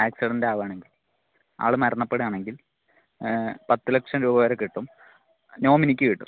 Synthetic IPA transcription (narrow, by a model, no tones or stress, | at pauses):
aːksiɽɐndaːʋaːɳe̞ŋɡil | a̰ːɭumɐɾɐɳːɐpːeɽɨaːɳe̞ŋɡil | pɐt̪ːɨlɐkʂɐmɾuːbɐʋɐɾɐkːiʈːum | no̞ːminikʲːuʋiʈːṵ